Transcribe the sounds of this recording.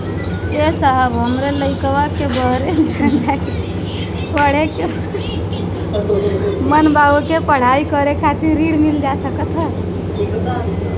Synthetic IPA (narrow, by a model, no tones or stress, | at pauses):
esabɦəmɾeləɪkʋakebəɦɾet͡ʃʰənt̪aki | pəɽ̤eke | mənbaukepəɽ̤aikəɾekʰat̪iɾɾiɽmild͡ʒasəkət̪ɦə